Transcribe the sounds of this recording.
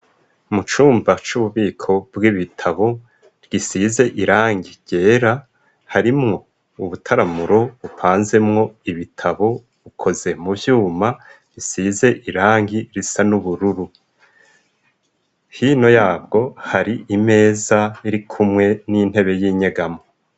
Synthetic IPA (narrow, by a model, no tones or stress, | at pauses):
mut͡ʃuːmbat͡ʃuβuβiːkʰo̞bɡiβitʰaβo̞ | ɾɡisize̞ʔiɾaːŋɡiɟ̥e̞ːɾa | haɾimŋo̞ | uβutʰaɾamuɾo̞βupʰaːnze̞mŋo̞iβitʰaβo̞ | βukʰo̞ze̞mujuːma | ɾisize̞ʔiɾaːŋɡiɾisanuβuɾuɾu | hiːno̞jaːb̚ɡo̞haɾiʔime̞ːzaiɾikʰumŋe̞nin̥e̞βe̞jiːɲeɡamo